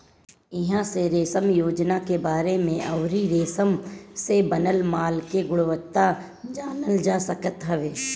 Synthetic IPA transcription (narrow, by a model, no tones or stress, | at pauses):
ɪɦãseɾeːsəmjoːd͡ʒnakebaːɾemẽʔɐʋɾiɾeːsəmsebənəlmaːlkeɡʊɽʋət̪ːa | d͡ʒaːnəld͡ʒaːsəkət̪ɦɛʋeː